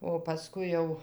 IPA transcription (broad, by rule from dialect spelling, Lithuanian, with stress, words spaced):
oː pɐˈskʊɪ jɛʊ